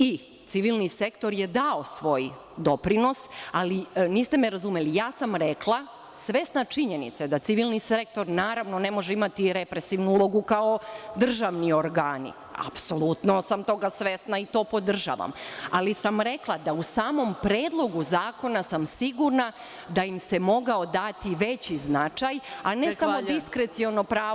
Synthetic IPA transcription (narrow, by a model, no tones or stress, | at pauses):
i | t̪siʋilˠnise̞kt̪o̞ɾjed̪aosʋo̞ːj | d̪o̞pɾino̞saliniːst̪e̞meɾazumelijaːsamɾeklˠa | sʋesnat͡ʃiɲenḭt̪sad̪at̪siʋilˠnisek̚t̪o̞ɾnaːɾaʋno̞ne̞mo̞ʒeimat̪iɾe̞pɾe̞siʋnuulˠo̞ɡukaod̪r̩ʒaʋnioɾɡaːnḭ | a̰pso̞lˠut̪no̞samt̪o̞ɡasʋe̞snait̪o̞ːpo̞d̪r̩ʒa̰ːʋa̰malisamɾe̞klˠad̪ausaːmo̞mpɾeːd̪lˠo̞ɡuzaːko̞nasamsiɡuɾna | d̪ajimse̞mo̞ɡao̞d̪at̪iʋe̞t͡ɕiznat͡ʃajanesamod̪iskɾe̞t̪sio̞nopɾaː